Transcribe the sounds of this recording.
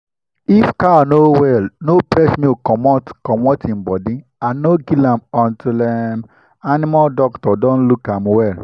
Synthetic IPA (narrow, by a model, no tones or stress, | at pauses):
ifkanowɛlnopɾɛsmĩokɔmɔtkɔmɔtĩm̩bɔdĩ | ãnnoɡilãmɔ̃ntilɛm | anĩmaldɔktɔdõnlukãmwɛl